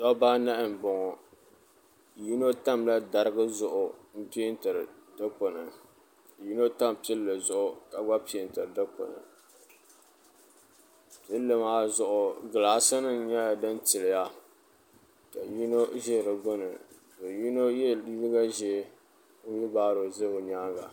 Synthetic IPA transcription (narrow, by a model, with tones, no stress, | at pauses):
tɔ˦baː˦na˦ʔɪ˨m˨bɔ˨ŋɔ˨ | ji˦no˦ta˦mla˦da˨ɾɨ˦ɡɨ˦zʊ˨ʔʊ˨m̩˦pi˦ntɨ˨ɾɨ˨dɨ˦k͡po˨nɨ˨ | ji˦no˦ta˦m˨pɛ˦lːɨ˨zʊ˨˦ʔʊ˨ka˨ɡ͡ba˦pi˦ɪ˨n˨tɨ˨ɾɨ˨dɨ˦k͡po̰˨nɨ̰˨ | pi˦lːɨ˨maː˦zʊ˨ʔʊ˨ɡɨ˨laː˨˦sa˦nɨ˦ɲa˦a˨dɨ˦ntɪ˨lɪ˨ja˦ | ka˨ji˦no˦ʒɛ˦˨ɾɨ˨ɡʊ˦nɨ˨ | do˨ji˦no˦jɛ˦i˦lɨ˦ɡa˦ʒɛ˦ | n̩˦ji˦baː˦ɾo˨zɨ˦o˨ɲaː˦ɡa̰˨